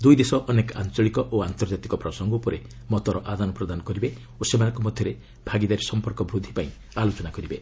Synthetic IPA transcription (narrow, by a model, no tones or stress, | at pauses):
d̪ujd̪esɔʔɔneka̰nt͡ʃɔɭikɔʔoant̪ɔɾd͡ʒat̪ikɔpɾɔsɔŋɡɔpɔɾe | mɔt̪ɔɾɔʔad̪anɔpɾɔd̪anɔkɔɾibe | osemanɔ̃ŋkɔmɔd̪ʱjɔɾe | b̥ʱaɡid̪aɾisɔmpɔɾkɔbɾud̪ʱːipaĩ | alot͡ʃɔnakɔɾibe